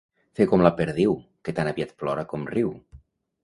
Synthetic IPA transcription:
fekɔmlapeɾðiwket̪anaβiat̪plɔɾakɔmriw

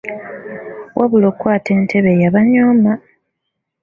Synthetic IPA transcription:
wʔaβulokwaːte̞ːntʰe̞βe̞jaβaɲoːma

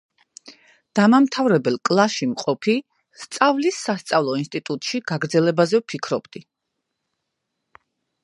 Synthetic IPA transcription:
d̪̥amamt̪ʰavɾɛbɛlˠkʼlˠaʃimqʼɔpʰi | st̪sʼavlisːast̪sʼavlˠɔinst̪ʼit̪ʼut̪ʼʃiɡaɡɾd̪zɛlɛbazɛpʰikʰɾɔbd̪i

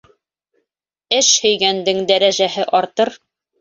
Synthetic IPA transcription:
ɘʃhɵ̆jɡænd̪ɘŋd̪æɾæʑæɦɘʔɒɾt̪ɤɾ

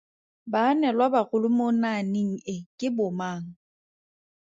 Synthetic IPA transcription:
banɛlwabaɣʊlʊmonaniŋ̩ɪkʼɪbʊmaːŋ̩

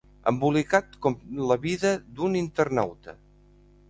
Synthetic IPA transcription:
ə̰mbulikat̪kɔmləβiðəd̪unint̪ərna̰wt̪ə̰

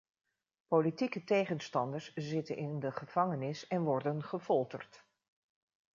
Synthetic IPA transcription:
politikətejχənstɑndəɹszɪtə̰nʔɪndəχəv̥ɑŋənɪsɛnʋɔɹdənχəvɔlˠtə̰rt

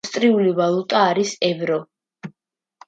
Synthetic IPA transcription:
st̪ʼɾiulivalˠut̪ʼaːɾisɛvɾɔ

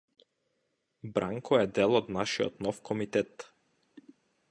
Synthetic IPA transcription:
bɾaŋkʰɔɛd̪ɛlˠɔd̪naʃiɔ̰t̪nɔfkʰɔmit̪ɛt̪

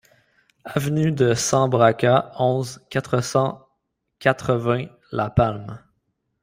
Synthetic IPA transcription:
avnyd̪əsɑ̃bʁakʲaɔ̃zkʲat̪χəsɑ̃ | kʲat̪χəvɛ̃ | lapalm

